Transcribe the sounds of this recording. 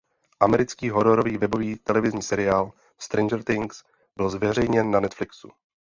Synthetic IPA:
ʔamɛɾɪt͡skiːɦoɾoɾoviːvɛbo̞viːt̪ɛlɛvɪzɲiːsɛɾɪaːl | st̪ɾɛnd͡ʒɛɾt̪ɪŋks | bɪlzvɛr̝ɛjɲɛnːanɛt̪flɪksṵ

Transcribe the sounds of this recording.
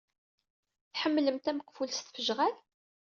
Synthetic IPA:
θħəmːləmt̪æməkːfulst̪fəʒʁæl

